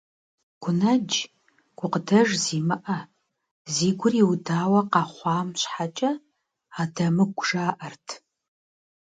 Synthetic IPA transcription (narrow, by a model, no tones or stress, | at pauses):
ɡ̥ʷʊnɐd͡ʒ | ɡ̥ʷʊqədɐʒziːmɨʔɐ | ziːɡʷʊriwdaːwɐqɑːχʷɑːmɕħat͡ʃʼɐ | aːdɐmɨɡʷʒaːʔɐrtʰ